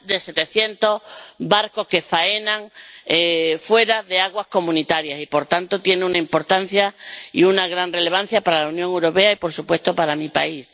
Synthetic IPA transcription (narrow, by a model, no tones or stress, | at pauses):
d̪e̞se̞t̪eθje̞nt̪o̞hbaɾko̞hke̞faenãŋefwe̞ɾaðe̞aɣwasko̞mũnit̪aɾjasipo̞ɾt̪ant̪ot̪je̞neunaimpo̞ɾt̪an̟θjaḭunaɣ̞ɾanre̞le̞β̞an̟θjapaɾalaunjoŋewɾo̞pe̞aipo̞ɾsupwe̞st̪o̞paɾamipa̰is